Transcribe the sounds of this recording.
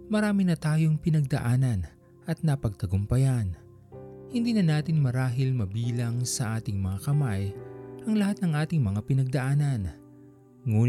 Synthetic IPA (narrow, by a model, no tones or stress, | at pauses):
mɐɾaːmɪnɐt̪aːjo̞ŋpɪnɐɡ̚d̪ɐʔaːnɐn | ʔɐt̪̚nɐpɐɡ̚t̪ɐɡʊmpɐjan | hɪnd̪iːnɐnaːt̪ɪnmɐɾaːɦɪlmɐbiːlɐŋsɐʔaːt̪ɪŋmɐŋakɐmajʔɐŋlɐhat̪̚nɐŋʔaːt̪ɪŋmɐŋapɪnɐɡ̚d̪ɐʔaːnɐn | ŋuː